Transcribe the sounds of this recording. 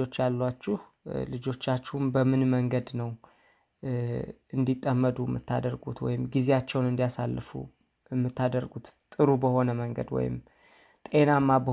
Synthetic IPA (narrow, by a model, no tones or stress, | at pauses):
o̞t͡ʃːalːat͡ʃːɪh | lɨd͡ʒo̞t͡ʃːat͡ʃːɪhumbəmɨnməŋɡəd̪nəw | ɨnd̪it̪ʼːəmːəd̪ujmːɨt̪ʰːa̰d̪əɾɡut̪wɔ̰jɪmɡize̞at͡ʃːɛwnɨnd̪ijasalːɨfṵ | ɨmːɨt̪ʰːad̪əɾɡut̪t̪ʼɨɾubəho̞nəməŋɡə̰d̪wɔ̰jɪ̰m | t̪ʼe̞namːabə